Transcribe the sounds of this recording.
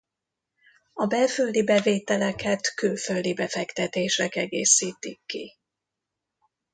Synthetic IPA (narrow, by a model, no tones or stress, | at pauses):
ɒbɛlføld̪ibɛveːt̪ɛlɛkʰɛt̪kylføld̪ibɛfɛkt̪ɛt̪eːʃɛkɛɡeːsiːt̪ikːḭ